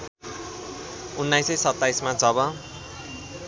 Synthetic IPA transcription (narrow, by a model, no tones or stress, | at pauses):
unːajsʌjsʌt̪ːajsmad͡zʱʌβʌ